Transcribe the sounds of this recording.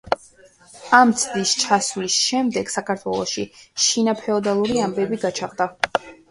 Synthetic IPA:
amt̪sʰd̪ist͡ʃʰasulisʃɛmd̪ɛɡ̥sakʰaɾt̪ʰwɛlˠɔʃiʃinapʰɛɔd̪alˠuɾiambɛbiɡat͡ʃʰaʁd̪a

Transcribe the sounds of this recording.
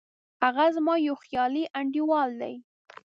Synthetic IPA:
haɣazmɑjowxjɑliʔaɳɖiwɑld̪a̰j

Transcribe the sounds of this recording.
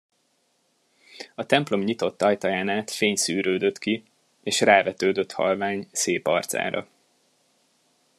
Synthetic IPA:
ɒt̪ɛmplo̞mɲit̪o̞t̪ːɒjt̪ɒjaːnaːt̪feːɲsyːɾøːd̪ø̞t̪ki | eːʃraːvɛt̪øːd̪ø̞t̪hɒ̰lvaːɲseːpɒ̰rt̪sa̰ːɾɒ̰

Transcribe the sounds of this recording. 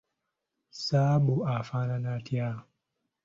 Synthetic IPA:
sabuafananatia

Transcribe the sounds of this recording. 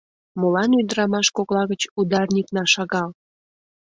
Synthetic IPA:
molɑnyd̪əɾɑmɑʃkoklɑɣət͡ɕud̪ɑrnʲiknɑʃɑɣɑl

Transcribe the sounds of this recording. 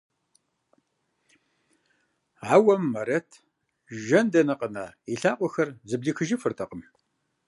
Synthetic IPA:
aːwɐmːɐɾɐtʰ | ʒɐndɐnɐqʼənaːiɬaːqʷɔxɐrzɨbɮiːxɨʒifɨrtʰɐqʼəm

